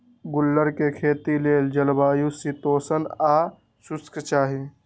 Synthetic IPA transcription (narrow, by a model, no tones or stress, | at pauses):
ɡʊlːəɾkekʰeːt̪ileːld͡ʒəlbaːjusit̪oːsənaː | sʊskt͡ʃaːɦi